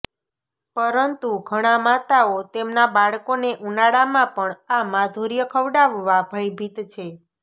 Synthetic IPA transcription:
pəɾənt̪uɡʱəɽ̃amat̪aot̪emnabaɭkoneʔunaɽamãpəɳamad̪ʱuɾjəkʰəʋɖaʋːabʱəjbʱit̪t͡ʃʰe

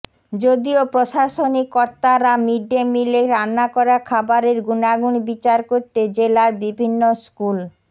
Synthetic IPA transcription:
d͡ʑod̪iopɾoʃaʃonikːɔɾt̪aɾamiɖːemileɾanːakɔɾakʰabaɾeɾɡunaɡunbit͡ɕaɾkoɾt̪ed͡ʑelaɾbibʱinːoskul

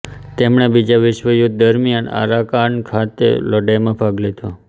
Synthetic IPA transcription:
t̪emɳ̃ebid͡ʒaʋɪʃʋəjʊt̪̚d̪əɾmiəna̰ɾakaɳkʰat̪ḛlɔɖajmãpʰaɡlet̪o

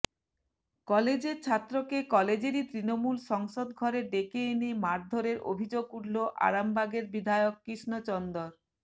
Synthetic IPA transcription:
kɔled͡ʑeɾt͡ɕʰat̪ːɾokekɔled͡ʑeɾit̪ɾinomulʃɔŋʃod̪ɡʱɔɾeɖekeenimaɾd̪ʱoɾeɾʔo̰bʱid͡ʑoɡuʈloʔa̰ɾambʱaɡeɾbid̪ʱaeokːɾiʃnot͡ɕɔnd̪oɾ

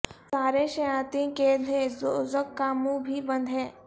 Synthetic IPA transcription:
saːɾeʃɐjaːt̪ĩkeːd̪ʱezoːzəkːaːmũbʱibɐ̃nd̪ʱɦɛ̃ː

